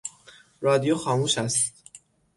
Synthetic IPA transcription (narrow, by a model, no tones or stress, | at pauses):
ɾɒːd̪ijoxɒːmuːʃæst̪